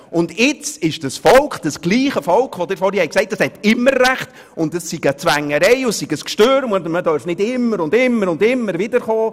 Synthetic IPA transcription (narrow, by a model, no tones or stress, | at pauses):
ʊndɪt͡sɪʃd̥əsfɔlkχd̥əsɡ̥liːχəfɔlkχʋɔd̥̪ɪɾfɔɾhihɛjksɛɪt̚d̥ɑshɛtɪmːəɾræχt | ʊntəsːiɡət͡svæŋːəɾɛɪʊssiɡəskʃtøːɾəmɔd̪əmədœɾfnɪdɪmːəɾʊndɪmːəɾʊndɪmːəɾvɪdəɾχɔː